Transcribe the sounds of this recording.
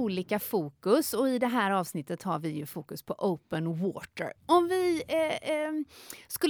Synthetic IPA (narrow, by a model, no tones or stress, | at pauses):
uːliːkafuːkɵsɔɪd̪ɛɦæːɾɑːvsnɪt̪ːət̪haɾvɪjɵfuːkɵspʰɔʔəʊpənwoːt̪ə̰ɾɔmvɪ | skɵlː